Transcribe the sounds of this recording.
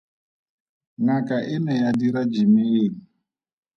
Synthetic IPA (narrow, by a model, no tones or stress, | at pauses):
ŋakʼaʔɪnɛjadiɾad͡ʒimeːli